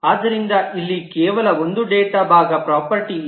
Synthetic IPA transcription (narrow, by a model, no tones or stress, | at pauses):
aːd̪ːɐɾind̪ɐʔilːikɛːʋɐlɐond̪uɖeːʈabʱaːɡɐpɾaːpɐɾʈi